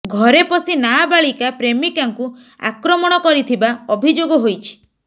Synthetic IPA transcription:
ɡʱɔɾepɔsinabaɭikapɾemikaŋku | a̰kɾɔmɔɽ̃ɔkɔɾit̪ʰibaɔbʱid͡ʒoɡɔɦojt͡ʃʰi̥

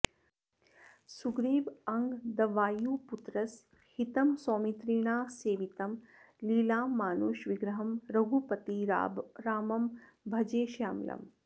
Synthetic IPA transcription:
suɡɾiːʋɐŋɡd̪ɐʋaːjuːput̪ɾɐs | hit̪ɐmsoːmit̪ɾiːɳ̃aːseːʋit̪ɐm | liːlaːmaːnuːʃʋiɡɾɐɦɐmɾɐɡupɐt̪iɾaːmɐm | bʱɐd͡ʒeːʃaːmlɐ̰m

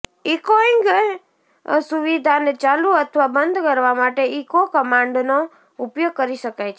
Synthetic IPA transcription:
ikoiŋɡ | suʋid̪ʱant͡ʃaluət̪ʰʋabənd̪ʱkəɾʋamaʈeikokəmãɳɖno | upjoɡ̚kəɾiʃəkajt͡ʃʰ

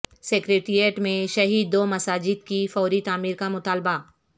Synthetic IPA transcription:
seːkɾeːʈɾijeʈmẽʃɐɦiːd̪ːoːmɐsaːd͡ʒɪd̪kifɔːɾit̪aːmiːɾkamʊt̪aːlba

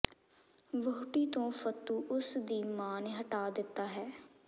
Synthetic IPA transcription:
ʋoːʈiːt̪õːfʰət̪ːuːʔʊsd̪iːmaːnɦəʈaːd̪ɪt̪ːaːɦɛː

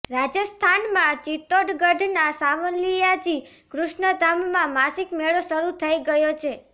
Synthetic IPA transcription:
ɾad͡ʒəst̪ʰanmãt͡ʃit̪oɖɡəɖʱnasaʋənlijad͡ʒi | kɾʊʃɳəd̪ʱamːãmasikmeɭoʃəɾut̪ʰəiɡəjot͡ʃʰe

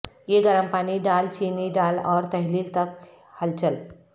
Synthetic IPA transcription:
jeɡəɾəmpaniɖalt͡ɕiniɖalɔɾt̪əɦliːlt̪ək | həlt͡ɕəl

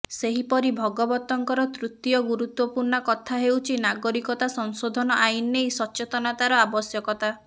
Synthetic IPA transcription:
seɦipɔɾibʱɔɡɔbɔt̪ːɔŋkɔɾɔt̪ɾut̪jɔɡuɾut̪wɔpuɾnɔkɔt̪ʰaɦewt͡ʃʰinaɡɔɾikɔt̪asɔŋsod̪ʱɔnɔʔajnːejsɔt͡ʃet̪ɔnat̪aɾɔabɔsjɔkɔt̪a

